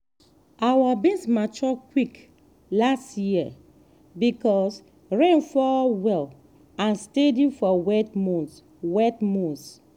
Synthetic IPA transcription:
awabẽsmat͡ʃɔkwik | lastji | bikɔs | ɹɛ̃nfɔwɛl | ãnstedifɔwɛtmɔ̃ns | wɛtmɔ̃s

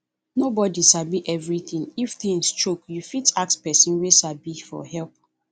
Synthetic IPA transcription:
nobɔdisabiʔɛvɹiθĩŋiftĩnst͡ʃokjufitak̚spɛsĩnwesabifɔ̰hɛlp̚

